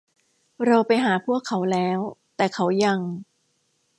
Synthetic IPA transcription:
ɾa˧wpa˧jɦaː˩˦pʰu˥˩əkʰːa˦˥wlɛː˦˥wt̪ɛː˨˩kʰa˦˥wja˧ŋ

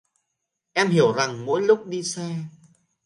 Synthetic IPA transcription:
ʔɛ˧mhi˨˧˩əwza˨˩ŋmo̰˧˥jlʊ˦˥k͡p̚ɗi˧sɛ˧

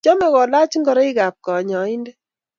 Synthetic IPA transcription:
t͡ʃɔ˦mɛ˨kɔ˨la˦t͡ʃi˦ŋɡɔ˨ɾɔ˦ɪ˦ɡa˨p̚kɔ˨ɲɔ˨ɪ˦ndɛ˦

